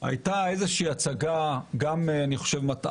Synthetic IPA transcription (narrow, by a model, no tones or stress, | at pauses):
a̰jtaezeʃiiːat͡saɡaɡamaniχo̞̥ʃevmat